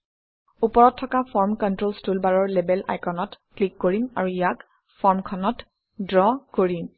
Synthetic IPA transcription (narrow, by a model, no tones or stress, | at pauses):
upɔɹɔtʰːɔkapʰɔɹmkɔntɹolstulbaɹɔɹlebɛla̰jkɔnɔtklikːoɹima̰ɹuijak | fɔɹmkʰɔnɔt | dɹɔkoɹim